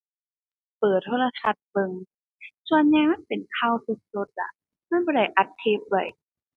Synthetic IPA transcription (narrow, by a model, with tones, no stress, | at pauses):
pɤː˨˩t̪ʰːoː˧˥˩la˧sʰa˧t̪̚bɤ˧ŋ | su˧ənɲaː˧˥pe˨˩nkʰaː˧˩wsu˧˥t̪̚so˧˦t̪̚la̰˧˩ʔ | ma˧˥˨nbɔː˧˥˩da˧˩jʔa˨˩t̪ʰːeː˧˩p̚la˧˩j